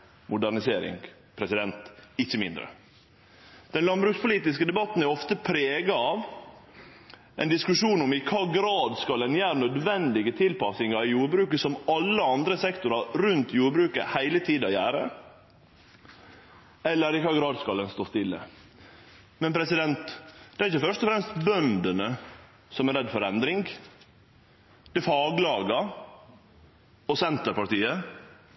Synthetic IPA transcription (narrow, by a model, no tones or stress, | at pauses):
mʊd̪æɳɪseːɾɪ̰ŋɡ | pʰɾɛsɪd̪ɛnt̪ɪçəmɪ̰nd̪ɾə̰ | d̪̥ɛnlɑnbɾʉːkspʰʊliːt̪ɪskəd̪ɛbɑt̪n̩æɾɔft̪əpʰɾeːɡɑɑʋ | ʔɛ̰nd̪ɪskʉʂuːnɔmɪkʰɑːɡɾɑːd̪skɑlɛnjæːɾnœd̪ʋɛnd̪ɪɡət̪ʰɪlpɑsɪŋɑɪjuːɾbɾʉːkəsɔmɑlːəɑnd̪ɾəsɛkt̪ʊɾɑɾʉnt̪juːɾbɾʉːkə̰hæɪlət̪ʰiːd̪ɑjæ̰ːɾə̰ | ɛlːəɾɪkɑɡɾɑːd̪skɑlːənst̪oːst̪ɪlːə̰ | mɛnpʰɾɛsɪd̪ɛnt̪d̪̥ɛæɾɪçəfœʂt̪ɔfɾɛmst̪bœnd̪ənə | sɔmæɾɛd̪ːfɔɾɛnd̪ɾɪŋɡ | d̪̥ɛfɑːɡlɑːɡɑ | ɔsɛnt̪əɾpɑɾʈ̪iːə